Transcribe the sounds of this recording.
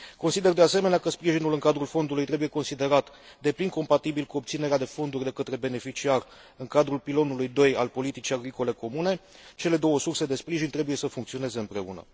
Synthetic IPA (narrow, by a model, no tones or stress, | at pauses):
ko̞nsid̪e̞rd̪ease̞me̞neakəspɾiʒinulɨŋkad̪ɾulfo̞nd̪ulujt̪ɾe̞buje̞ko̞nsid̪e̞ɾat̪ | d̪e̞plinko̞mpat̪ibilkuo̞p̚t̪sine̞ɾead̪e̞fo̞nd̪urʲd̪e̞kət̪ɾe̞be̞ne̞fit͡ʃiar | ɨŋkad̪ɾulpilo̞nulujd̪o̞jalpo̞lit̪it͡ʃijaɡɾiko̞le̞ko̞mune̞t͡ʃe̞le̞d̪o̞wəsurse̞d̪e̞spɾiʒint̪ɾe̞buje̞səfuŋkt̪sio̞ne̞ze̞ɨmpɾe̞ṵnə̰